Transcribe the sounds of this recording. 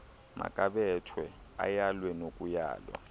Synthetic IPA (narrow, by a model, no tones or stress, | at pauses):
mʔa̰kʼaɓɛtʰwɛajalwɛnokʼuja̰ːlwa̰